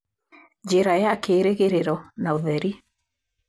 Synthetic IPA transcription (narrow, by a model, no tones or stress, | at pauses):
d͡ʑeɾajakeːɾeɣeɾeɾɔnaoðɛɾi